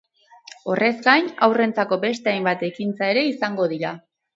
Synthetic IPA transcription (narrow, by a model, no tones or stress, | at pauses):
o̞rʔe̞zɡajnawre̞nt͡sako̞be̞st̪e̞ajmbat̪e̞kint͡sae̞ɾe̞isaŋɡo̞ð̞iɾa